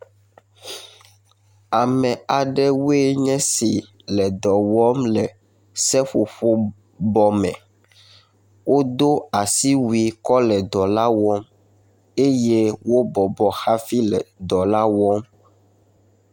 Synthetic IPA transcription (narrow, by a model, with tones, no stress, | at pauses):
a˨mɛ̃˨a˨ɖɛ˦we˦ɲɛ̃˦si˨ | lɛ˨d̪ɔ˨wɔ˦mlɛ˨ | sɛ˦ɸo˨ɸo˦ | bɔ˦mɛ̰̃˨ | wo˦d̪o˦a˨si˦wi˨kɔ˦lɛ˨d̪ɔ˨la˦wɔ˦m | e˦je˦wo˦bɔ˨bɔ˨xa˦fi˦lɛ˨d̪ɔ˨la˦wɔ˦m